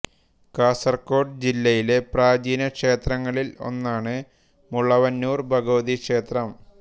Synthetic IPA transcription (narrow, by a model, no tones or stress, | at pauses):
kaːsɐrko̞ːɖɨd͡ʑilːɐjile̞praːd͡ʑiːnɐkʂe̞ːt̪rɐŋːɐɭilo̞̰nːaːɳɨ | muɭɐʋɐnːuːrbʱɐɣɐʋɐðikʂe̞ːt̪rɐm